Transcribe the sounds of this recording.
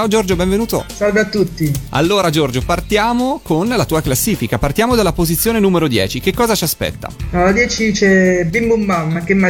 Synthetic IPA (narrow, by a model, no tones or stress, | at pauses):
t͡ʃaod͡ʒord͡ʒobɛɱvenuːt̪o̰salveat̪ːut̪ːia̰lːoːɾad͡ʒord͡ʒopart̪jaːmokonlat̪uːaklasːiːfikapart̪jaːmod̪alːapozit̪sjoːnenuːmeɾod̪jɛ̰ːt͡ʃik̟ekːɔːzat͡ʃiaspɛ̰t̪ːa̰ɔad̪jɛːt͡ʃit͡ʃɛbimbumbamːakːemːa